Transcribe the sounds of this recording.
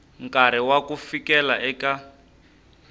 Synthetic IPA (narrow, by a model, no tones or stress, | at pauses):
ŋkaɾɛwakufikɛlaʔɛka